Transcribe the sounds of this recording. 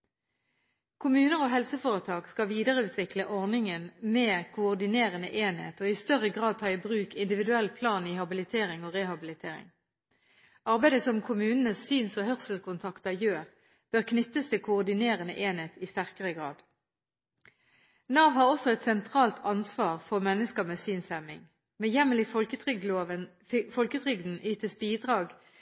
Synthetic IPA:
kʰʊmʉːnəʁoːɦɛlsəfoːʁət̪ʰɑːɡskɑʋiːd̪əʁəʉːt̪ʰʋɪkləʔɔʁnɪŋənmeːkʰʊɔʁd̪ɪneːʁənə̰ʔeːnhḛːt̪oːɪst̪œʁəɡʁɑːd̪̚t̪ʰɑːɪbʁʉːkɪnd̪ɪʋɪd̪ʉɛlpʰlɑːniːhɑbɪlɪt̪ʰeːʁɪŋoːʁeːhɑbɪlɪt̪ʰḛːʁɪ̰ŋ | ɑʁbæɪd̪əsɔmkʰʊmʉːnənəsyːnsɔhœʁsl̩kʰʊnt̪ʰɑkt̪əjøːʁ | b̥øːʁkʰnʏt̪ːəst̪ʰɪlkʰʊːʁd̪ɪneːʁənə̰ʔeːneːt̪ist̪æʁkəʁəɡʁɑ̰ːd̪ | nɑːʋhɑːʁɔsɔɛt̪sɛnt̪ʰʁɑːlt̪ʰɑnsʋɑːʁfɔʁmɛnːəskəmeːsyːnsɛmɪ̰ŋ | meːjɛməlɪfəʏə | fɔlkət̪ʰʁʏɡd̪n̩ʔyːt̪əsbiːd̪ʁɑːɡ

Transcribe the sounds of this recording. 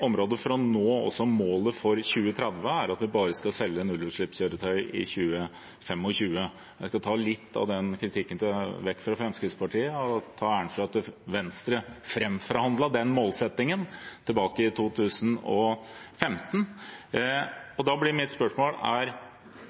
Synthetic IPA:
ɔmɾoːd̪əfɾɑnoːɔ̰sːɔmoːləfɔɾçʉːət̪ʰɾɛd̪ʋəæɾɑt̪ʋɪbɑːɾəskɑsɛlːəɛnʉlʉːʂɭɪpsjøːɾət̪ʰœʏɪ̰çʉːə | fɛmɔɕʉːə | jæɪskɑt̪ʰɑːlɪt̪ʰːɑ̰ʋd̪ɛnkʰɾɪt̪ʰɪkːənʋɛkːfɾɑfɾɑnskɾɪspɑʈʰiːəɔt̪ʰɑːæːəɳfɾɑɑt̪əʋɛnst̪ɾəfɾɛmfɔɾhɑnd̪ləd̪ɛnmoːlsɛt̪ːɪŋənt̪ʰɪlbɑːkəɪt̪ʰuːt̪ʰʉːsənɔfɛmt̪ən | ɔd̪ɑblɪɾmɪt̪spœʂmoːlæɾ

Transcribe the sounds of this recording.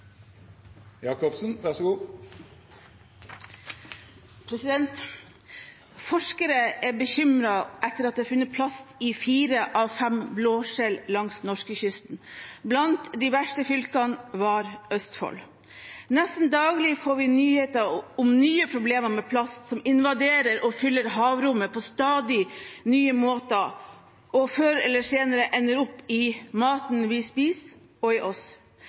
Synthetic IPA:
jɑːkɔpsnʋæʂɔɡuː | pʰɾɛsɪd̪ɛnt̪ | fɔʂkəɾəʔæbəçʏmɾɑʔɛt̪ːəɾɑt̪̚d̪eːɑfʉnːət̪̚pʰlɑst̪ɪfiːɾəʔɑʋfɛmbloːʃɛllɑŋsnɔʂkəçʏst̪n̩blɑnt̪d̪iʋæʂʈəfʏlkɑnʋɑɾœst̪fɔ̰l | nɛst̪nd̪ɑːɡlɪfoːɾʋɪnyːheːt̪əɔmnyːəpʰɾʊbleːməɾmɛːpʰlɑst̪sɔmɪnʋɑd̪eːɾəɾʔɔfʏlːəɾɦɑːʋɾʊmːəpʰɔst̪ɑːd̪ɪnyːəmoːt̪ə | ʔɔføːɾɛlːəseːnəɾəʔɛnːəɾʊpːɪmɑːt̪nʋɪspiːs | ɔɪʔɔs

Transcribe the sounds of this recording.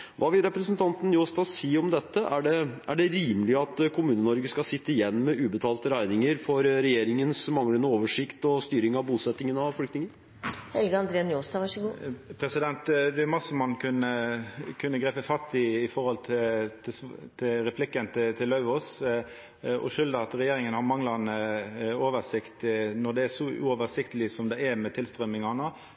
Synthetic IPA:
ʋʔɑːʋɪlɾɛpɾəsənt̪ʰɑnt̪njoːst̪ɑsiːɔmd̪ɛt̪ːəʔæɖɛʔæɖɛɾiːməlɪəɑt̪kʰʊmʉːnənɔɾɡəskɑsɪt̪ːəɪjɛnːmɛʔʉːbət̪ʰɑːlt̪əɾæɪnɪŋəɾfɔɾɾɛjeːɾɪŋənsmɑŋlənəoːʋəʂɪkt̪ɔst̪yːɾɪŋɑʋbuːsɛt̪ːɪŋənɑʋfʏkt̪nɪŋən | hɛlɡəɑnd̪ɾeːnjoːst̪ɑʋɑʂəɡupʰɾɛsɪd̪ɛnt̪d̪ɛʉmɑsəmɑnkʰʉnːəkʰʉnːəɡɾeːpəfɑt̪ːɪɪfɔɾhɔlt̪ʰɪt̪ʰɪst̪ʰɪlɾɛpʰlɪkːənt̪ʰɪt̪ʰɪlːɑʉɔs | ɔ̰ʃʏld̪əɑt̪ɾɛjeːɾɪŋənhɑɾmɑŋlɑnəoːʋəʂɪkt̪nɔd̪ɛæʂɔʉ̰ɔːʋəsɪkt̪əlɪsɔmd̪ɛɛɾmɛt̪ʰɪlst̪ɾœmɪŋɑnɑ

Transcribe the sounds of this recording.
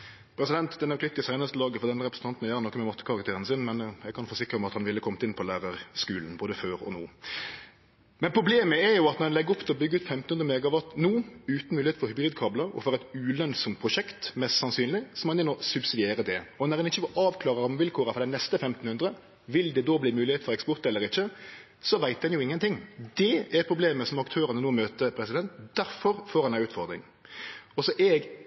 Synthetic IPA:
pʰɾɛsɪd̪ɛnt̪d̪ɛnæɾklɪt̪ːɪsæɪnəst̪əlɑːɡəfɔʁd̪ɛnːəɾʁɛpɾəsn̩t̪ɑnt̪nɔjæːɾɑnɔkːəmɛmɔt̪ːəkɑʁɑkt̪ʰeːɾənsɪnmɛnjæɡ̚kʰɑnfoːsɪkɾəmɛɑt̪hɑnʋɪlːəkʰɔmt̪ɪnpʰɔlæːɾəɾskʉːln̩boːd̪əføːɾɔ̰no̰ː | mɛnpʰɾʊbleːməɛɾjʊɑt̪nɔd̪ɛnɛɡəɔpd̪ɛɔbʏɡːʉːt̪fɛmt̪n̩hʉnɾəmeːɡɑʋɑt̪nuːʉːt̪n̩mʉːlɪeːt̪fɔɾhʉbɾiːd̪̚kʰɑːblɑɔ̰fɔɾɛt̪ʉːlœnsɔmt̪̚pʰʁʊʃɛkt̪mɛst̪sɑnsyːnlɪsɔmɑnɛmosʉbsɪd̪ɪeːɾəd̪ɛɔnɔɾd̪ɛnɪçːəʔɑːʋkʰlɑːʁəɾɔmʋɪlkʰoːɾəfɔɾd̪ɛnɛst̪əfɛmt̪n̩hʉnd̪ɾə | ʋɪld̪ɛd̪oːbliːmʉːlɪheːt̪fɔɾɛkspɔɾt̪ɛlːəɾɪçːə | sɔʋæɪt̪̚d̪ɛnjʊɪŋːənt̪ʰɪŋːd̪ɛæɾpʰɾʊbleːməsɔmɑkt̪ʰøːɾɑnənuːmøːt̪əpʰɾɛsɪd̪ɛnt̪d̪̥æɾfɔɾfoːdɛnæʉːt̪fɔʁd̪ɾɪ̰ŋ | ɔsɔʔɛɡ

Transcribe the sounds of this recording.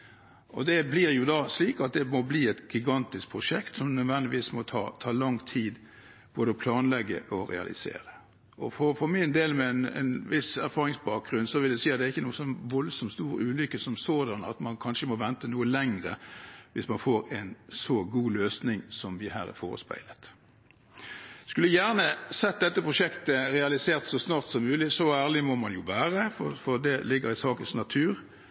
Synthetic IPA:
ʔɔd̪ɛblɪɾjʊd̪ɑsliːkɑt̪̚d̪ɛmɔbliːɛt̪ɡɪɡɑnt̪ɪsk̚pʰɾʊʂɛkt̪sɔmnœd̪ʋɛnlɪʋiːsmɔt̪ʰɑ̰ːt̪ʰɑːlɑŋt̪ʰiːd̪ | b̥oːd̪əɔpʰlɑːnlɛɡːə̰ʔɔɾɛ̰ɑ̰lʔɪ̰sḛːɾə | ɔfɔfɔmɪnd̪eːlmɛɛnɛ̰nʋɪsæɾfɑːɾɪŋsbɑːk̚ʁʉnːsɔʋɪld̪æsiːɑt̪d̪ɛæɾɪçːənuːəsɔnʋɔlsɔmt̪st̪uːɾəʉːlʏkːəsɔmsoːd̪ɑnɑ̰t̪mɑnkʰɑnʂəmɔʋɛnt̪ənuːəlɛŋʁəʋɪsmɑnfoːɾɛɪnsɔɡuːløːsnɪŋsɔmʋɪhæ̰ːɾæ̰fo̰ːʁə̰spæ̰ɪlət̪ | skʉlːəjæːʁnəsɛt̪̚d̪ɛt̪ːəpʰʁʊʂɛkt̪əʁɛɑlɪseːʁt̪sɔsnɑːʁt̪sɔmːʉːlɪsɔæːʁlɪmɔmɑnjʊʋæːʁəfɔfɔʁd̪ɛlɪɡːəɾɪsɑːkənsnɑt̪ʰʉːʁ

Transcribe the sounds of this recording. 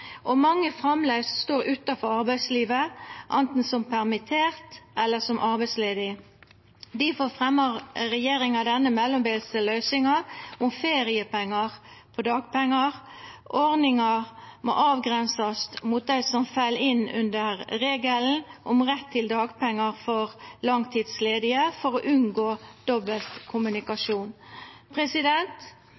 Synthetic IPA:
ʔɔmɑŋːəfʁɑmlesst̪oːɾʉt̪ɑfɔɾɑɾbæɪsliːʋəʔɑnt̪n̩sɔmpʰæʁmɪt̪ʰeːʁt̪ʔɛlːəsɔmʔɑɾbæɪsleːd̪ɪ | d̪ɪfoɾfʁɛmːəʁɾɛjeːɾɪŋɑd̪ɛnːəmɛlːɔmbeːlsəlœʏsɪŋɑʔʊmfeːɾɪəpɛŋːɑʁpʰɔd̪ɑːɡpɛŋːɑʁ | ʔɔʁnɪŋɑʁmo̰ʔɑːʋɡʁɛnsəst̪muːt̪̚d̪æɪsɔmfæɪlɪnʉ̰nd̪əʁʁeːɡəln̩ʔʊmʁɛt̪ʰːɪld̪ɑːɡpʰɛŋːɑʁfɔʁlɑŋt̪ʰiːd̪sleːd̪ɪəfɔɾɔʔʉnɡoːd̪̥ɔbəlt̪kʰʊmʉnɪkɑʂuːnpʰʁɛsɪd̪ɛnt̪

